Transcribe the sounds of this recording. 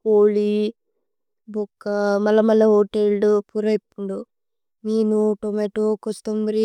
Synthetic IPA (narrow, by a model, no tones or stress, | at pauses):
poːli | bukːɐmɐlɐmɐlːɐɦoːʈelupuɾɐjpːuɳɖu | miːnuʈomeʈukost̪ombɐɾi